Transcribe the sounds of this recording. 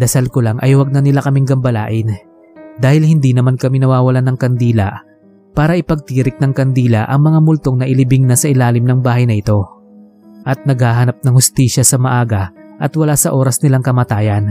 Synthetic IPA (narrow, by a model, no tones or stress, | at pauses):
d̪ɐsalkolaŋʔɐ̰jwɐɡ̚nɐnɪlakɐmɪŋɡɐmbɐla̰ːʔɪn | d̪aːhɪlhɪnd̪inɐmankɐminɐwaːwɐlanɐŋkɐnd̪iːlɐ̰ | paːɾɐʔɪpɐɡ̚t̪iːɾɪk̚nɐŋkɐnd̪iːlɐ̰ʔɐŋmɐŋamʊlt̪o̞ŋnɐʔɪlɪbɪŋnɐsɐʔɪlaːlɪmnɐŋbaːhɐjnɐʔɪt̪o̞ | ʔɐt̪̚nɐɡhaːɦɐnap̚nɐŋhʊst̪iːʃɐsɐmɐʔaːɡɐʔɐt̪wɐlasɐʔo̞ːɾɐsnɪlaŋkɐmɐt̪aːjɐn